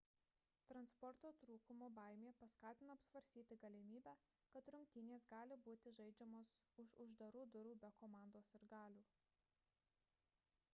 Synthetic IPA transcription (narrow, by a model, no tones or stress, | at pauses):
t̪ɾɐnspɔɾt̪oːt̪ɾuːkʊmoːbɑˑɪmʲeːpɐskɑːt̪ʲɪnoɐpsʋɐɾʲsʲt̪ʲiːt̪ʲɪɡɐlʲɪmʲiːbʲæː | kɐt̪ɾʊŋʲkʲt̪ʲɪnʲeːsɡɑːlʲɪbuːt̪ʲɪʒɐɪd͡ʒʲɛmoːsʊʃʊʒd̪ɐɾuːd̪ʊɾuːbʲɛkoːmɑˑnd̪oːsɪɾɡɑːlʲuː